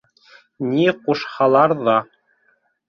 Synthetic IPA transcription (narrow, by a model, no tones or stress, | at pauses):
nʲiquʃhɑlˠɑɾðɑ